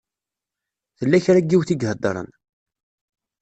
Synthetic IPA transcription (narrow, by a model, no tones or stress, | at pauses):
θəlːæçɾæɡːiwθiɡɦəd̪ˤːɾˤə̰n